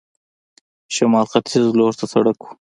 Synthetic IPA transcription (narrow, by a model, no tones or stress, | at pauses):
ʃɐmɑːlqat̪ʰizloːɾt̪asɐɽaku̥